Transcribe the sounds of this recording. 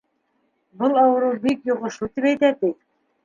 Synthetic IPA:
bɤlˠɑwɤ̆ɾɤbikjŏʁɤ̆ʃut̪ipæjt̪æt̪ɘk

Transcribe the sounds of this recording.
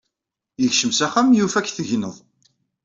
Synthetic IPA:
jəçʃəmsæχæmjufæçθəʝnəðˤ

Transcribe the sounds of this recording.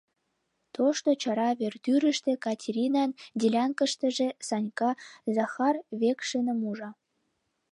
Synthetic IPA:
t̪oʃt̪ot͡ɕɑɾɑβert̪yɾə̆ʃt̪ĕkɑtʲʰeɾʲinɑnd̪ʲilʲɑnkə̆ʃt̪ə̆ʒĕsɑnʲkɑzɑxɑrβekʃənə̆muʒɑ

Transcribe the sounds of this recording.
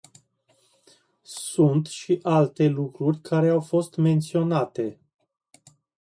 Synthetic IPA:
sunt̪ʃiʔalt̪e̞lukɾurʲkʰaɾe̞awfo̞st̪me̞nt̪sio̞nat̪e̞

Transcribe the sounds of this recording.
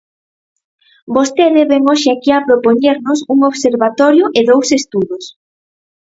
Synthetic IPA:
bost̪eðeβeŋoʃɪakiapɾopoɲeɾnʊsuŋoβseɾβat̪ɔɾjʊʔeðowsest̪uðʊs

